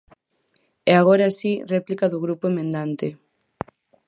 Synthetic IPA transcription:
ɛaɣ̞oɾaasirɛplikaðuɣɾupʊemẽnd̪ant̪ɪ

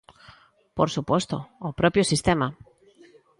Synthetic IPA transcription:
poɾsupost̪o̰ːpɾopjosist̪ema

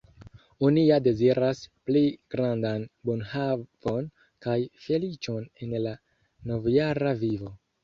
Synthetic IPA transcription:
onijade̞ziɾaspliɡ̥ɾandanbonhav̥o̞n | kajfe̞lit͡ʃo̞ne̞nla | no̞vjaɾavivo̞

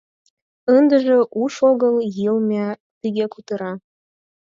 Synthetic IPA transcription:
ənd̪ə̆ʒĕʔuʃoɣəljilmʲæ | t̪iɣʲekut̪ɤ̆ɾɑ

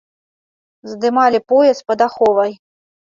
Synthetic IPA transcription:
zd̪ɨmalʲipɔjɛspɐd̪axɔvɐj

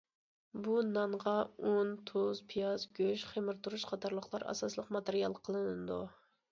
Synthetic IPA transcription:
bunɑɴʁɑont̪ʰozpʰijɑzɡʲøʃχemɨɾt̪ʰuɾuʃqʰɑt̪ʰɑɾlˠəχlˠɑɾʔɑ̰sɑslˠəqmɑt̪eɾijɑlˠqʰəlˠɨnɨɨd̪ṵ

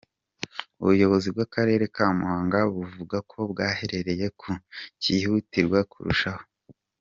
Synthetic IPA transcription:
ṵβujo̞βo̞zibɡakaɾe̞ːɾe̞kaːmuhaːŋɡaβuvuɡakʰo̞bɡaːhe̞ɾe̞ɾe̞je̞kʰucihutiɾɡwakṵɾṵʃaho

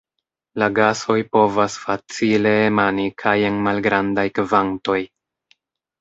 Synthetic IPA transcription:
laɡaso̞jpo̞vasfat͡sile̞ːmanikʰaje̞nmalɡɾandajkvanto̞j

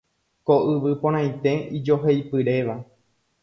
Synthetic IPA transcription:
koʔɨʋɨpõɾ̃ãj̃t̪e̞id͡ʒo̞ɦejpɨɾe̞ʋa

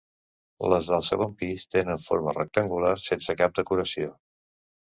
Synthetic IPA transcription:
ləzðəlˠsəɣ̞ompist̪enəɱfo̰ɾmərək̚t̪əŋɡulaɾsensəkap̚d̪əkuɾəsio

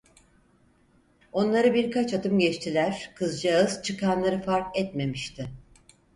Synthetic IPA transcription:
o̞nlˠaɾɯbiɾkʰat͡ʃat̪ɯmɟɛt͡ʃt̪ʰilʲæɾ̥kʰɯzd͡ʒaɯz̥t͡ʃʰɯkʰanlˠaɾɯfaɾkɛt̪me̞miʃt̪ʰɪ

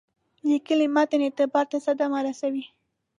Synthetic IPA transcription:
likəlimɑt̪anɪt̪ɪbɑɾt̪asad̪amaɾasawi

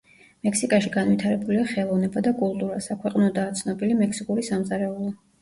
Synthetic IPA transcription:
mɛkʰsikʼaʃiɡanvwit̪ʰaɾɛbuliaχɛlˠɔvnɛbad̪akʼulˠt̪ʼuɾasakʰwɛqʼnɔd̪aːt̪sʰnɔbilimɛksikʼuɾisamzaɾɛulˠɔ

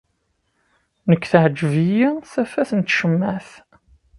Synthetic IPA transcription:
nəkʷːθʕəd͡ʒvijiθæfæθənt̪ʃəmːæθ

